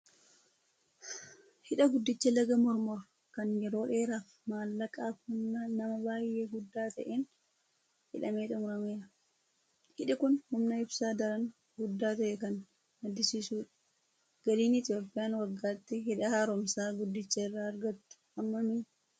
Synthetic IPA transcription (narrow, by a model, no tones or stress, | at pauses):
hɪᶑɐɡʊd̪ːɪt͡ʃːɐlɐɡɐmɔɾmɔɾ | kɐnjɛɾo̞ːᶑe̞ːɾaːf | maːlːɐkʼaːfhʊnːɐnɐmɐbaːjːe̞ːɡʊd̪ːaːt̪ɐʔeːn | hɪᶑɐmeːt̪ʼʊmʊɾɐmeːᶑɐ | hɪᶑɪkʊnhʊmnɐɪbsaːd̪ɐɾɐn | ɡʊd̪ːaːt̪ɐʔɛkɐn | nɐd̪ɪsiːsuːᶑɐ̥ | ɡ̥ɐliːnɪt̪ɪjo̞ːpʼːɪjaːnwɐɡːaːt̪ːɪɦɪᶑɐhaːɾɔmsaːɡʊd̪ːɪt͡ʃːɐɪrːaːɐɾɡɐt̪ːʊ̥ɐmːɐmɪ